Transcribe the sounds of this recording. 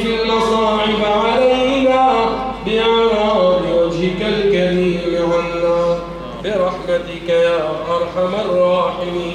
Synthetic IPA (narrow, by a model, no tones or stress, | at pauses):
ɪlmɑsˤɑːʕɪbaʕalajhɪnaːbɪʕaɾaːbɪwad͡ʒhɪkalkamiːmmɪʕanːaː | bɪɾˤɑħmat̪ɪkajaːlʔɑɾˤħamarˤːɑːħɪmiː